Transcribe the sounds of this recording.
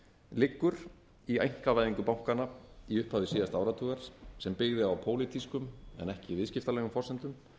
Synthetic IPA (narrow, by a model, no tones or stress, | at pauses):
lɪkːʏɾ̥ | iejŋ̥kavaːjðiŋkʏpawŋ̥kanːaiʏhphavðɪsiːðast̪awɾat̪ʰuːɣaɾ̥sɛmpɪɣðɪawpʰoːwlɪt̪ʰiskʏmɛ̰nɛhcɪvɪðscɪft̪alɛːɣʏmfɔrsɛnt̪ʏm